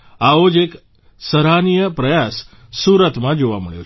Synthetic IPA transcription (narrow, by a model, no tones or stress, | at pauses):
aod͡ʒek | səɾanijəpɾəjasː | uɾət̪mãd͡ʒoʋaməɭjo̰